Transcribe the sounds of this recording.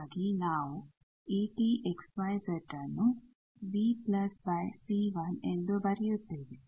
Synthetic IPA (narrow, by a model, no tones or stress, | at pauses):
ɡinaːʋu | iːʈiːʔeksʋɐjseʈːɐnːu | biplɐsbɐjsiːʋɐnend̪obɐɾijut̪ːiːd̪i